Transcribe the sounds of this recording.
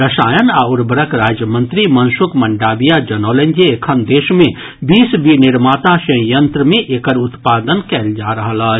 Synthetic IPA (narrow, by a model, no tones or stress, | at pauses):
ɾəʃaːjənaːʊɾbəɾəkɾaːd͡ʒjəmə̃nt̪ɾimɐnsʊkmɐ̃ɳɖaːbijad͡ʒɐnoːlẽnd͡ʒeekʰənd̪eːʃmẽ | biːsbinɪɾmaːt̪aʃɐ̃jə̃nt̪ɾəmẽʔeːkəɾʊt̪paːd̪ənkɛːld͡ʒaːɾɐɦəlaː